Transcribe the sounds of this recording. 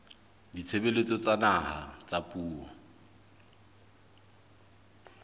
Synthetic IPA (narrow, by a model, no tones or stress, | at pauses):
dit͡sʰebelet͡sʼɔt͡sʼanaha̰t͡sʼapʼuːwɔ̰